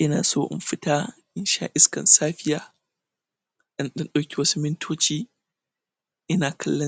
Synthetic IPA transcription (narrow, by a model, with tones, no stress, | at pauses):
ʔɪ˦naː˨soː˦ʔɪ̰˨mɸɪ˦taː˦ʔɪ˦nʃa̰˦ʔɪ˦skɐ̰˨nsaː˦ɸɪ˦jaː˦ | ɗɪ˦nɗɐ˦nɗa˨wkʲi˦wɐ˦su˦mɪ˦ntʰoː˦t͡ʃiː˦ | ʔɪ˦naː˨kʰɐ˦lːɐ˦